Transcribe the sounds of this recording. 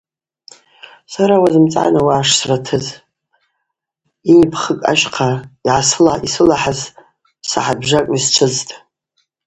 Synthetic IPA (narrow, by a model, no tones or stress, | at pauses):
saɾawazɨmt͡sʼʕa̰nawaʕːʂsratʰɨz | inipʰχəkʼa̰ʃqʰaiʕasɨlaisɨlaħaz | sa̰ħabʐakʼist͡ʃʷʰɨztʼ